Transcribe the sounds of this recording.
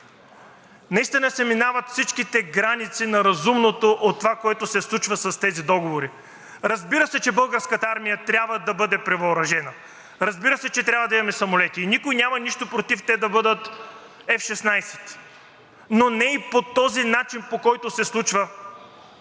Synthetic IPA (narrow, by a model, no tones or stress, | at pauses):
nɐist̪inɐsɛminavɐt̪fsit͡ʃkit̪ɛɡɾanit̪sinɐɾɐzumnot̪oʔot̪ːovakoɛt̪ʊsɛslˠut͡ʃvəsɐst̪ɛzid̪ɔɡovoɾi | ɾɐzbiɾəsɛt͡ʃɛbɤlˠɡəɾskət̪aaɾmijət̪ɾʲabvəd̪ɐbɤd̪ɛpɾɛvɐʊɾɐʒɛnə | ɾɐzbiɾəsɛt͡ʃɛt̪ɾʲabvɐd̪ɐimɐmɛsɐmolɛt̪iːnikojnʲamɐniʃt̪opɾot̪ift̪ɛd̪ɐbɤd̪ət̪ | ɛfʃɛsnajsɛ̥t̪ | nonɛipot̪ɔzinat͡ʃinpokɔjt̪osɛslˠut͡ʃvə